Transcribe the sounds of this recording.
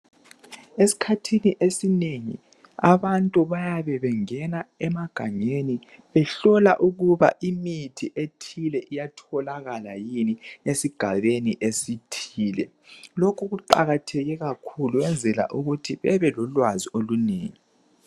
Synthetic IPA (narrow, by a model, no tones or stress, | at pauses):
esi̥kʰatʰiniʔesineŋḭ | a̰βantʼuβajaβɛβɛŋɛnaɛmaɡ̥ʱaɲeni | βɛɬɔla̰ʔuɣuβa̰ʔimitʰiʔetʰilɛʔijatʰɔlaɣalajiniesiɡ̥ʱaβeniʔesitʰiːlɛ̰ | lokʰuɣuǃa̰ɣatʰɛɣɛɣakʰuluwɛnd͡zʱɛla̰ʔuɣutʰiβɛβɛlɔlwaziolunḛːŋi